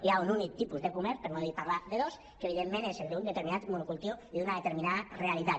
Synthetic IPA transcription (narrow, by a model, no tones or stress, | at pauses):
iaununik̚t̪ipuzðekumɛɾpəɾnoðipaɾlaðeðos | kəeβ̞iðemːẽneseld̪und̪et̪eɾminat̪munukulˠt̪ioiðunaðet̪eɾminaðərealit̪at̪